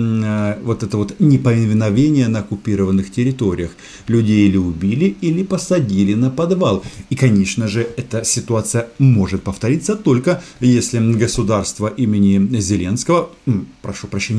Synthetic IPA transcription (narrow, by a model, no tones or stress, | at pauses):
vo̞t̪ɛt̪əvo̞t̪nʲɪpəvʲɪnvʲɪnɐvʲenʲɪjənəɐkʊpʲiɾəvənːɨxtʲɪɾʲɪt̪o̞ɾʲɪjəx | lʲʉdʲejlʲɪʊbʲilʲɪilʲɪpəsɐdʲilʲɪnəpɐd̪valˠikɐnʲeʂnəʐɨɛt̪əsʲɪt̪ʊat̪sɨjəmo̞ʐɨt̪̚pəft̪ɐɾʲit̪sət̪o̞lʲkə | jesʲlʲɪɡəsʊd̪arst̪vəʔimʲɪnʲɪzʲɪlʲe̞nskəvəpɾɐʂupɾɐɕːenʲ